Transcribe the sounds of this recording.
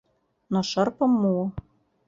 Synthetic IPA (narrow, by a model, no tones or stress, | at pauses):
noʃɤ̆rpɤ̆mːuŏ